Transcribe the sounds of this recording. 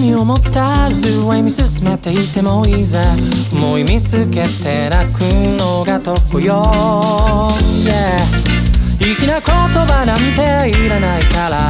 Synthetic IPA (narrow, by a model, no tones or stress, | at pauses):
mʲiomo̞t̪ʰːazɯwaimʲisɨsɨmet̪e̞it̪ːe̞moizemoimit͡sɨke̞t̪e̞nakɯ̟noɡat̪o̞kɯjo | je | ikʲinako̞t̪o̞banãnt̪e̞ | iɾanaikaɾa